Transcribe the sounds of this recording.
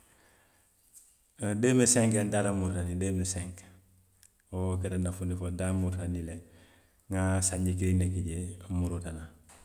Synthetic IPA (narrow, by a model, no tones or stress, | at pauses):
deːmesẽŋkendadamuɾanideːmesɛ̃ŋk | okedanafunifodamuɾanile | ŋasaɲɟikiɾinekiɟemuɾutana